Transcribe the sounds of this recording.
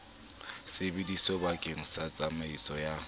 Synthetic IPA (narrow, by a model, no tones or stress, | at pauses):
sebidisɔbakʼeŋ̩sat͡sʼamaisɔja